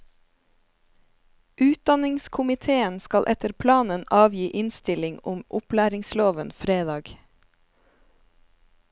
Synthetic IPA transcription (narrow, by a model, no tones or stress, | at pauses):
ʔʉːt̪̚d̪ɑnɪŋskʰʊmɪt̪ʰeːənskɑlʔɛt̪əɾpʰlɑːnənɑːʋjiːʔɪnst̪ɪlɪŋʊmʔʊplæːɾɪŋsloːʋənfɾeːd̪ɑːɡ